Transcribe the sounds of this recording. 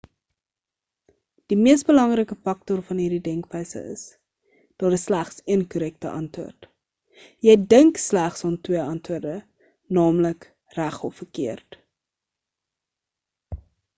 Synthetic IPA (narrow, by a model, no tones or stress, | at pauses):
d̥imiəstbəlɐŋɾəkəfɐk̚tɔrfɐnɦiːrdidɛŋkpəsə̰ə̰s | d̥ɑːɾəsːlæχsiənkɔɾɛk̚təʔɐntuərt | jəjdəŋkslæχsɔntwiəɐntvuərdə | nɑːmlək | ræχɔfərkiərt